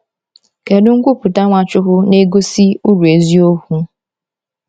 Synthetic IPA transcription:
ke˨dʊ˦ŋ̩˦kʷu˦pʊ˨ta˦ŋʷa˨t͡ʃʊ˦ɦʊ˦ne˦ɡo˦si˦u˦ɾu˨e˨zi˦o˦hu˦

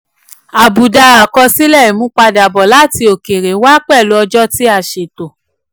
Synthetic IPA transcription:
a˨bu˨da˧a˨kɔ˧si˦lɛ˦˨i˨mũ˨˦k͡pa˧da˨bɔ˨la˦˨ti˧o˨ke˨ɾe˨˦wa˦k͡pɛ˦˨lo˦ɔ˧d͡ʒɔ˦ti˦a˦˨ʃe˨to˨

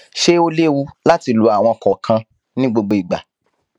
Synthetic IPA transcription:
ʃe˦o˦le˦wu˧la˦ti˧lu˧a˨w̃ɔ̃˧kɔ˨kʰã˧ | nĩ˦ɡ͡bo˧ɡ͡bo˧˨i˨ɡ͡ba̰˨

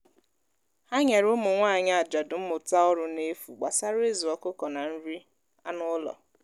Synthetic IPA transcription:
ha˦ɲa˨ɾo˦mʊ˨ŋʷa˦˨ɲa˦a˨d͡ʒa˨dʊ˨m̩˦mʊ˨ta˦ɔ˦ɾʊ˨ne˦fu˨ɡ͡ba˨sa˦ɾe˦zi˨ɔ˨kʊ˦kɔ˨na˨n̩˦ɾi˦ | a˦nʊ˦lɔ̰˨

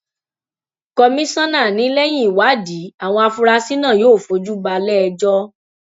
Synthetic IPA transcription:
kɔ˧mĩ˦sã˦nã˦˨nĩ˨˦lɛ˦j̃ĩ˦˨wa˨˦˨di˨˦a˨w̃ɔ̃˧a˧fu˧ɾa˧si˦nã˦˨joː˨˦˨fo˨˦d͡ʒu˦ba˧lɛ˦˧d͡ʒɔ˦

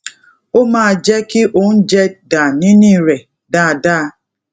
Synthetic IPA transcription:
o˦maː˨d͡ʒɛ˦kɪ˦ʔo˨n̩˦d͡ʒɛ˦da˨ni˦ni˦˨ɾe˨ | da˨daː˦

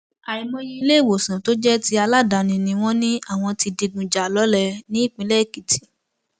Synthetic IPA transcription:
a˨˧i˧mɔ̃˦ji˦i˧le˦˨wo˨sã˨to˦d͡ʒɛ˦ti˧a˧la˦˨da˨nĩ˧nĩ˧w̃ɔ̃˦nĩ˦a˦˨w̃ɔ̃˧ti˧di˧ɡũ˨d͡ʒa˨lɔ˨˦lɛ˦˧nĩ˨˦i˦˨k͡pĩ˧˦lɛ˦˨ki˨tʰi̥˨

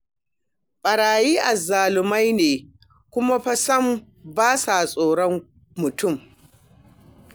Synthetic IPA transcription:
ɓʼɐ˨ɽaː˨jiː˦ʔa˨zaː˨lɪ˨ma˦jneː˨ | kʷʊ˦ma˦ɸɐ˦sɐ˦m | baː˦sa˨sʼoː˨ɽɔ˦ŋ | mːʊ˨tʊ˦˨m

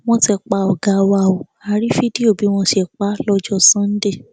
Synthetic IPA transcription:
w̃ɔ̃˦tɛ˧k͡pa˧˨ɔ˨ɡa˧˨wa˦˨o˨ | a˧˨ɾi˦fi˦di˦o˦˨bi˨˦w̃ɔ̃˧ʃi˦ɛ˨k͡pa˦lɔ˧d͡ʒɔ˦˨sã˦n̩˦de˦˨

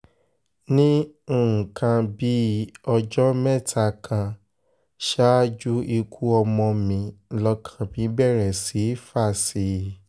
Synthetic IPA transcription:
nĩ˦˨ | kʰã˧bi˦ɔ˧d͡ʒɔ˦mɛ˦˨tʰa˧kʰã˧ | ʃa˦d͡ʒu˦i˧kʰu˦ɔ˧mɔ̃˧mĩ˧lɔ˧kʰḁ̃˨bĩ˨˦bɛ˦˨ɾɛ˨si˨˦fa˦˨si˨˦

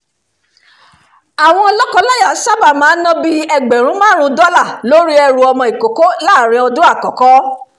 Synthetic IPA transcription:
a˨w̃ɔ̃˧ɔ˧lɔ˦kɔ̃˧la˦ja˨˦sa˦ba˦˨mãː˨˦nɔ̃˦bi˦ɛ˧ɡ͡bɛ˨ɾ̃ũ˦mãː˦ɾ̃ũ˧˦dɔ˦la˦˨lo˨˦ɾi˦ɛ˧ɾu˨ɔ˧mɔ̃˧i˨ko˨ko˦la˦˨ɾ̃ĩ˧ɔ˧du˦a˦˨kɔ˨kɔ˦

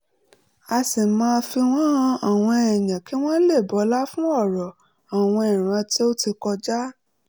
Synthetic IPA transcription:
a˧si˨mãː˧fi˧w̃ɔ̃˦˧a˨w̃ɔ̃˧ɛ˨jã˨ki˨˦w̃ɔ̃˦le˦˨bɔ˨˦la˦fũ˦ɔ˦˨ɾɔ˨ | a˨w̃ɔ̃˧ɛ˨ɾ̃ã˧ti˦o˦ti˧kɔ˧d͡ʒa˦

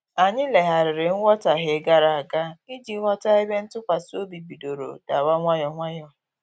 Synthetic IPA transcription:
a˨ɲɪ˦le˨ɦa˨ɾɪ˨ɾɪ˨ŋ̩˦wʷɔ˦ta˨ɦe˨˦ɡa˦ɾa˨a˨ɡa˦i˦d͡ʒi˨˦wʷɔ˦ta˦i˦be˦n̩˦tʊ˦kʷa˨so˦bi˨bi˨do˨ɾo̰˨da˨ba˦ŋʷa˦jɔ˨ŋʷa˦jɔ˦

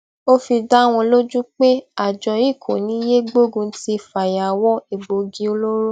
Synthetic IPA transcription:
o˦fi˧da˦w̃ɔ̃˧lo˦d͡ʒũ˦k͡pe˦a˨d͡ʒɔ˧i˦˨kʰo˨nĩ˨˦je˦ɡ͡bo˦˨ɡũ˧˦ti˧˨fa˨ja˨wɔ˦i˨ɡ͡bo˨ɡi˦o˧lo˦ɾo˦

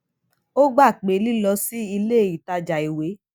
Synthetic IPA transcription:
o˦ɡ͡ba˦˨k͡pe˨˦li˦lɔ˧si˦i˧le˦˨i˨ta˧d͡ʒa˨i˨we˨˦

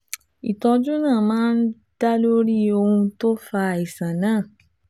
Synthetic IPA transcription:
i˨tɔ˧d͡ʒu˦nãː˦˨mãː˦n̩˦ | d̥a˦lo˦ɾi˦o˧hũ˧to˦fa˧˨i˨sã˨nãː˦˨

